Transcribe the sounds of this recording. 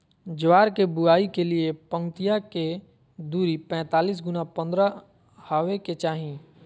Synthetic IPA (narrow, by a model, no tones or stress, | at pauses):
d͡ʒwaːɾkebʊaːikeliepə̃ŋt̪ijake | d̪uːɾipɛ̃ːt̪aːliːs̬ɡʊnapɐ̃nd̪ɾa | haːʋeket͡ʃaːɦĩ